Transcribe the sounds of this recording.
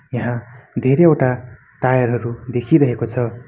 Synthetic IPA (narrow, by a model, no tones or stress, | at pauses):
jaɦãd̪ʱeɾeʌwʈa | t̪ajʌɾɦʌɾud̪ekʰiɾʌɦekot͡sʰʌ